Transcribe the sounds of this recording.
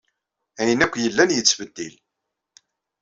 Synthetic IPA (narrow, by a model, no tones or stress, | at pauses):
æjənækʷːjəlːænjət͡sːvəd̪ːḭl